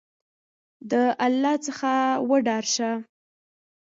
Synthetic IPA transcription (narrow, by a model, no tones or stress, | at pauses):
d̪əʔalːɑt͡səxawəɖɑɾʃa